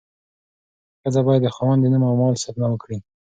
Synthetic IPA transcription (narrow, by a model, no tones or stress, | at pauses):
xəzabɑjad̪ːəxɑwand̪ənəmawmɑlsapnawəkɽi